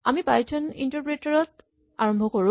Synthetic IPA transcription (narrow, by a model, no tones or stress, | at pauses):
amibajtʰɔnḭntɔɹpɹetaɹɔt | aɹɔmbʱɔkɔɹʊ̃